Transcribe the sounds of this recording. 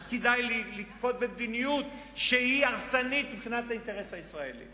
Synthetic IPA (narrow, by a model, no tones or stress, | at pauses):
zked̪ajlilikpo̞t̪̚bebd̪inijut̪ | ʃehiaʁsanit̪mibχinat̪haint̪eʁesaisʁaelḭ